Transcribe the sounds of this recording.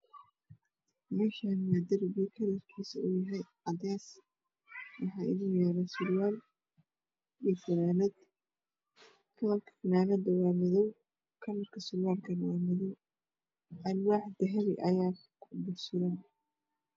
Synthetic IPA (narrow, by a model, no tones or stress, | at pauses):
mɛːʃanmad̪ɐɾbikʰɐlɐrkʰiːsɐʊjɐɦɛjʕɑd̪ɛːs | wɑħɑːɪ̰ðiːnjɛːɾɛsʊlwaːl | jiːfɐnaːnɐd̪ | kʰɐlɐrkʰɐ̥fɪnaːnɐd̪ɐwaːmɪðɔw | kʰɐlɐrkʰɐsʊlwaːlkʰɐnwaːmɪðɔw | ʔɐnwaːħd̪ɛɦɛɾɪʔɐ̰jaː | bʊrsʊɾaː